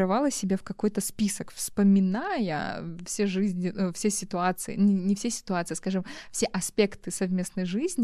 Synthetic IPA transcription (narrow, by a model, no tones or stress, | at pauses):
ɾɐvalˠəsʲɪbʲefkɐko̞jt̪əspʲisəkfspəmʲɪnajə̰fsʲeʐɨzʲnʲɪufsʲesʲɪt̪ʊat̪sɨɪ̰nnʲɪnʲɪfsʲesʲɪ̥t̪ʊat̪sɨjskaʐɨmfsʲeʔɐspʲekt̪ɨsɐvmʲe̞snəjʐɨzʲnʲɪ